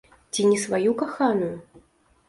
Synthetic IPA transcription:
t͡sʲinʲɛsvajukaxanuju

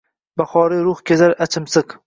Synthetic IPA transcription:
baχɒːɾiɾʊχkʲʰezaɾat͡ʃʰɪmsɨq

